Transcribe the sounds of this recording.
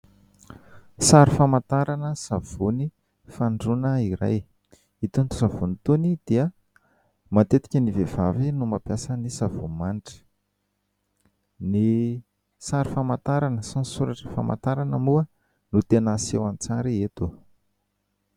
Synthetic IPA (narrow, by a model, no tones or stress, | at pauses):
saɾifamat̪aɾanəsav̥uni | faɳɖ͡ʐunəiɾa̰j | it̪unt̪u̥savunit̪unid̪̥iə | mat̪et̪i̥kʲənivevavinumapjasənisavumanʈ͡ʂə̥ | ni | saɾifamat̪aɾanəsansuɾaʈ͡ʂə̥fa̰ma̰t̪aɾanəmuə | nut̪enəsewant͡saɾiet̪u